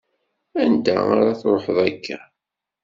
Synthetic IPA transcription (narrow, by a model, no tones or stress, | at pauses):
ænd̪æ̰a̰ɾˤaθɾˤoħəðˤækːæ